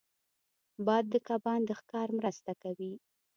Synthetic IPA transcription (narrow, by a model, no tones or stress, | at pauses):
bɑjd̪ːəkabɑnd̪əxkɑɾmɾast̪akawi